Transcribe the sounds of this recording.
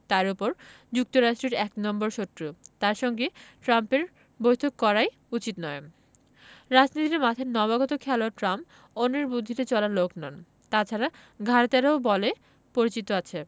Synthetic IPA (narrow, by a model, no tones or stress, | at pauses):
t̪aɾupoɾ | d͡ʑuk̚t̪oɾaʃʈɾeɾɛknɔmboɾʃot̪ːɾut̪aɾʃɔŋɡeʈɾampeɾ | bojt̪ʰokːɔɾaj | ut͡ɕit̪nɔe | ɾad͡ʑnit̪iɾemat̪ʰaenɔβaɡɔt̪okʰɛloaʈɾamp | oneɾbud̪ʱːit̪et͡ɕɔlaɾloknan | t̪at͡ɕʰaɾa | ɡʱaɾt̪aɾaobɔle | poɾit͡ɕit̪oat͡ɕʰe